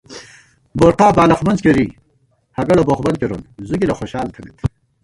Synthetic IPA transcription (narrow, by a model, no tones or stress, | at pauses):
boɾqaːbaːlɐχmɐnzkeɾiː | hɐɡɐloboχbɐnkʲeɾunzuɡilɐxoɕaːlt̪ʰɐnit̪